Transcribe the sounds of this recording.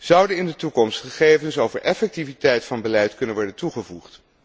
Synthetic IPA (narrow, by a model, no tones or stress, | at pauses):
z̥ʌwdənɪndətukɔmstχəχejvənsowvəɹʔɛfɛk̚tivitɛjtfɑnbəlɛjtkɵnənʋɔɹdəntuχəvṵχt